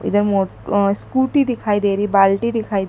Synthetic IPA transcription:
ḭd̪əɾmo | skuʈiɖ̪ikʰajd̪eɾibalʈid̪ikʰajd̪

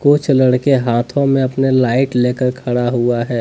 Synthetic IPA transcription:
koːt͡ʃʰlɐɽkeɦaːt̪ʰõmẽɐpnelaːɪʈleːkəɾkʰɐɽaɦuaɦɛː

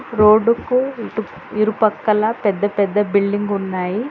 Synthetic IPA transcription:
ɾoːɖukuʈu | iɾupɐkːɐlɐpɛd̪ːɐpɛd̪ːɐbiɭɖiŋɡunːaːji

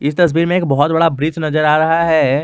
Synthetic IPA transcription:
ɪst̪ɐs̬biːɾmẽeːk̚bɔɦɔt̪̚bɐɽabɾiːt͡ʃnɐzəɾaːɾɐɦaɦɛː

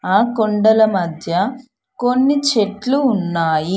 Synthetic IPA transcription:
aːkoɳɖɐlɐmɐd̪ʱjɐ | ko̞nːit͡ʃeʈluːnːaːji

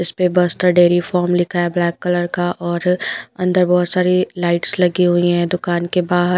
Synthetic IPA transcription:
ɪspebəst̪əɖeːɾifɔːɾmlɪkʰaɛblɛːkːɐləɾkaʔɔːɾɐ̃nd̪əɾbɔːt̪saːɾilaːɪʈslɐɡiɦuiɦɛ̃d̪ʊkaːnkebaːɦəɾ

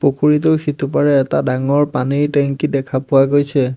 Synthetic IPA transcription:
pokʰuɹit̬ʊɹxʰitʰupaɹɛːtadaŋɔɹpanijtɛŋkidɛkʰapʊwaɡojsʰɛ

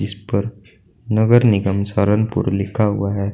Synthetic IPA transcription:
ɪspəɾ | nəɡəɾnɪɡəmsaɾənpṵɾlɪkʰaɦṵaɦɛː

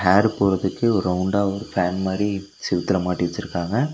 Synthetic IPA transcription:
ɦaːɾpoːɾɐðɯkːɯɔɾɯɐʊɳɖaːɔɾɯfaːnmaːd̪ɾi | sɪʋɐt̪ːɪlɐmaːʈːiʋɐt͡ʃːɪɾɯkːaːŋɡɐ

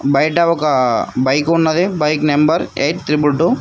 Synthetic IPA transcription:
bɐjʈɐɔkɐbɐjkunːɐd̪ibɐjknembɐɾeʈt̪ɾibjuʈu

